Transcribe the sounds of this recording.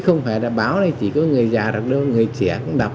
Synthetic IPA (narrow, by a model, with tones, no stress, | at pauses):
xə˧wŋ͡mfaː˧˩jlaː˨˩ɓaː˨˦wna˨˧˩jt͡ɕḭ˧˩kɔ˨˦ŋɨ˨˩əjzaː˨˩ɗa˨˩k̚ɗə˧ŋɨ˨˩əjt͡ɕɛ̰˧˨əkʊ˧˦ŋ͡mɗa˨˩k͡p̚